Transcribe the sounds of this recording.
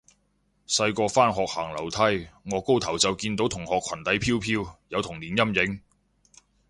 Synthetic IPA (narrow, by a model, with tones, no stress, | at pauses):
sɐ˧jkɔː˧faː˥nɦɔː˨k̚haː˨˩ŋlɐ˨˩wt̪ʰɐ˥jŋɔː˨˧ko˥wt̪ʰɐ˨˩wt͡sɐ˨wkiː˧nt̪o˨˥wt̪ʰʊ˨˩ŋhɔː˨kʰɐ˨˩nt̪ɐ˨˥jpʰiː˥wpʰiː˧˥wjɐ˨˧wt̪ʰʊ˨˩ŋliː˨˩njɐ˥mjɪ˨˥ŋ